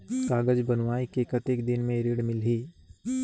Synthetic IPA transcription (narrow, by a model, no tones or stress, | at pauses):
kaːɡəd͡ʒbənʋaːikekət̪eːkd̪ɪnmẽɾeːɽmɪlɦiː